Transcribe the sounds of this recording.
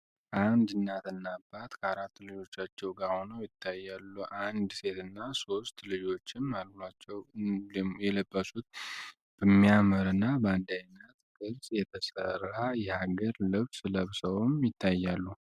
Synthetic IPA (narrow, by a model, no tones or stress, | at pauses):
ʔand̪ɨnːat̪ɨnːabːat̪kʰəaɾat̪ːlɨd͡ʒo̞t͡ʃːat͡ʃːɛwɡaho̞nəwjɪt̪ʰːajːalːuʔand̪se̞t̪ɨnːaso̞st̪lɨd͡ʒo̞t͡ʃːɪnmalət̪nat͡ʃːɛw | jɛləbːəsut̪̚ | b̥əmːijaməɾɨnːabəand̪ajnːət̪kʰʼɨɾsʼjɛt̪ʰəsərːajɛhaɡəɾlɨβsɨləβsəwmjɪt̪ʰːajːalːu